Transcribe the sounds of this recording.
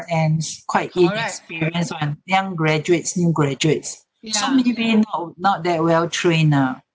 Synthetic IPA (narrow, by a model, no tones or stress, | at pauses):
ɛ̃nkʰwaɪtĩnɛkspiɹiə̃nswãnjãŋɡɹɛd͡ʒuetsnjuɡɹɛd͡ʒuets | somɛnibinɔnɔt̚dɛt̚wɛltʰɹẽna